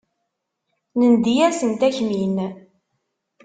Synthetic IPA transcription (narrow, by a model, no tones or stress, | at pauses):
nənd̪ijæsənt̪æçmin